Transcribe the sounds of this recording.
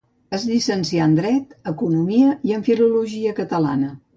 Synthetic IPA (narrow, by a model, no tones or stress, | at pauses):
əzʎisənsiand̪ɾɛt̪əkunumiəiəɱfiluluʒiəkət̪əla̰nə